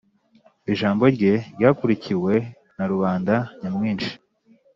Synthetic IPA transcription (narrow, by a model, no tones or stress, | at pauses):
iʒaːmbo̞ɾɟe̞ɟaːkuɾiciwe̞ | naɾuβaːndaɲamŋiːnt͡ʃi̥